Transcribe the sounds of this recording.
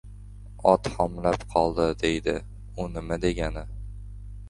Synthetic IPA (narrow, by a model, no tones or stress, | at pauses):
ɒt̪hɒmlapqʰɒlˠd̪ɪd̪e̞jd̪ɪ | ʊnɪmad̪e̞ɡʲanɪ